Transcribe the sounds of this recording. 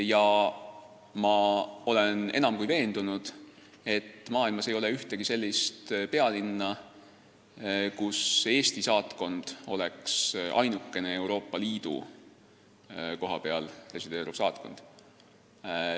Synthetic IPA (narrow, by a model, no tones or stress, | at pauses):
jɑ | mɑo̞le̞ne̞nɑmkujve̞ːnd̪̥unud̪̥ | e̞t̪ːmɑːilmɑse̞jo̞le̞yht̪e̞ɡ̥ise̞lʲːist̪pe̞ɑlinːɑ | kuse̞ːst̪isɑːt̪ko̞nd̪̥o̞̰leksʔɑ̰jnukːe̞ne̞e̞wɾo̞ːpˑːɑliːd̪̥ṵ | ko̞ɦɑpe̞ɑ̰lre̞sid̪̥e̞ːɾub̥sɑːt̪ko̞̰nd̪̥